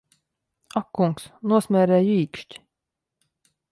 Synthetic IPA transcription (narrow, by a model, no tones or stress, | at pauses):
akːuŋksnuɔsmʲæɾɛːjiːkʃtʲ